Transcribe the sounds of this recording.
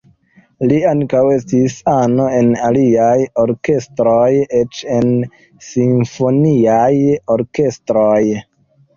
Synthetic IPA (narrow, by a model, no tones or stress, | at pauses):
liaŋkawe̞stisano̞e̞naliajo̞ɾke̞stɾojet͡ʃe̞n | siɱfo̞niajoɾke̞stɾoj